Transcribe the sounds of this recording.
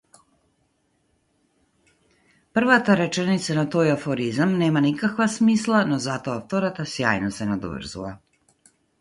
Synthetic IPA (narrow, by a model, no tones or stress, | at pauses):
pr̩ʋat̪aɾe̞t͡ʃenit̪sanat̪oːjafoɾizamneːmanikakvasmiːslˠanozat̪oaft̪oɾat̪asjaːjnosenad̪o̰vr̩zṵla